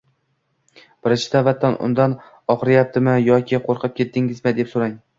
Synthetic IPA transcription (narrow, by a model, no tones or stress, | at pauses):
b̥ɪɾɪnt͡ʃʰɪ̥d̪avat̪ʰːanʔʊ̰nd̪an | ɒχɾɪjap̚t̪ʰɪmɪjɒkʲʰɪqʰoɾqʰɨp̚kʲʰe̞t̪ːɪŋɪzmɪd̪e̞psoɾaŋ